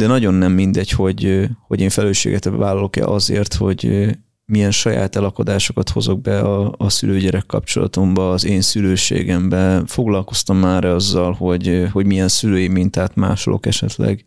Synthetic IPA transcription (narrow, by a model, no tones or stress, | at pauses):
d̪ɛnɒɟo̞nːɛmːind̪ɛcho̞ɟho̞ɟeːɱfɛløːʃḛːɡɛt̪vaːlɒlo̞kɛ̰lʔɒzḛːrt̪ho̞ɟ | mijɛnʃɒja̰ːt̪ɛlɒko̞d̪aːʃo̞kɒt̪ho̞zo̞ɡ̚bɛɒːsyløːɟɛɾɛkːɒ̰pt͡ʃo̞̰lɒ̰t̪o̞mbɒːzeːnsyløːʃḛːɡɛmbɛfo̞ɡlɒlko̞st̪ɒmːaːɾɛɒzːɒlho̞ɟho̞ɟmijɛnsyløːjimint̪aːt̪ma̰ːʃo̰lo̞̰kɛʃɛt̪lɛ̰ɡ